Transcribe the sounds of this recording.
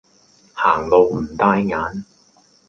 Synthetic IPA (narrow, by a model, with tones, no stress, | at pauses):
haː˨˩ŋlo˨˧wm̩˨˩t̪aː˧jŋaː˨˥n